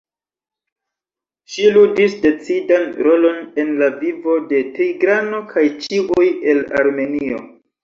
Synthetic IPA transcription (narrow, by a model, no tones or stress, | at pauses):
ʃiludisde̞t͡sidanɾo̞lo̞ne̞nlavivo̞de̞tijɡɾano̞kʰajt͡ʃiʔuje̞la̰ɾme̞nio̞̰